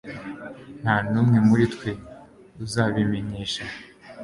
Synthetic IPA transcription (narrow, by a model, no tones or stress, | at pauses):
n̥haːnuːmŋe̞muɾitkwe | uzaːβimeɲiːʃa